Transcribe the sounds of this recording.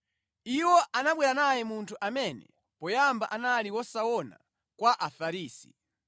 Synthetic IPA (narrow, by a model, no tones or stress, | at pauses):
iwɔʔanaɓwɛɾanajɛmuntʰuʔamɛnɛ̰ | pɔjambaʔanaliwɔsawɔna̰ | kwaʔafaɾiːsḭ